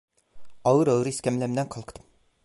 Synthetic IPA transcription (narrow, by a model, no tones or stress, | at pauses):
ɑwɯɾɑwɾɨiskʲɛmlɛmlɛnqʰɑlˠqʰə̥d̪ɨm